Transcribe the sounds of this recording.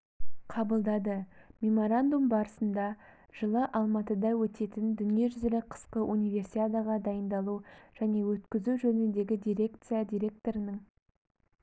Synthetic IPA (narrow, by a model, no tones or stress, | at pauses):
qʰɑbəlˠd̪ɑd̪əmʲe̞mo̞ɾand̪umbɑɾəsənd̪ɑ | ʒ̥əlˠəʔɑlˠmɑt̪əd̪ɑwɵt̪e̞t̪ɪnd̪ʏnije̞ʒʏzɪlɪqʰə̥sqəʔunijve̞rsiad̪aʁɑd̪ɑjənd̪ɑlˠuʒ̥æne̞wɵt̪kʲɪzuʒɵnɪnd̪e̞ɡʲɪd̪ʲijɾʲe̞kt̪sijad̪ʲijɾʲe̞k̚t̪o̞ɾənəɴ